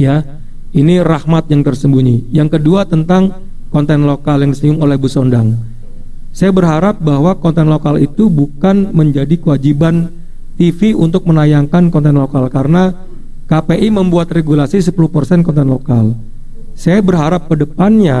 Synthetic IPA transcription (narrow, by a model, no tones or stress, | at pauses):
ja | inirahmat̪̚jaŋt̪ərsəmbuɲijaŋkəduat̪ənt̪aŋ | kɔnt̪ɛnlokaljaŋdisəjʊŋolɛhbusondaŋ | sajabərɦaɾap̚baɦwakɔnt̪ɛnlokalit̪ubukanməɲd͡ʒadikəwad͡ʒiban | t̪ifiunt̪ʊk̚mənajaŋkankɔnt̪ɛnlokalkaɾəna | kapeʔiməmbuat̪reɡulasisəpuluhpərsɛnkɔnt̪ɛnlokal | sajabərɦaɾap̚kədəpanɲa